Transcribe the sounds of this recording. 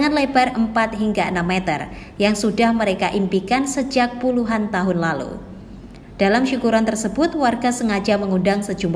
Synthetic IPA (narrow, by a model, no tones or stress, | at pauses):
ŋanlebarəmpat̪̚ɦiŋɡaənamːet̪ə̰r | jaŋsudahməɾekaʔimpikansəd͡ʒak̚puluɦant̪aɦʊnlalṵ | d̥alamʃukuɾant̪ərsəbʊt̪warɡasəŋad͡ʒaməŋundaŋsəd͡ʒum